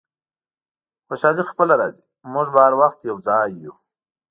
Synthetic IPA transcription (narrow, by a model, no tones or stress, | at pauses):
xoʃɑlixpəlaɾɑ̰zi | mʊʐbaaɾwaxt̪jawd͡zɑjːu